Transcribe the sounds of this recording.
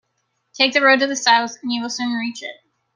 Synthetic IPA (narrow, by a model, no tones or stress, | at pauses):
tʰeɪk̚ðɨɹoʊd̚tɨðɨsaʊθə̃n̩jɨwəl̩ˠsʉ̃nɹit͡ʃɪ̰t̚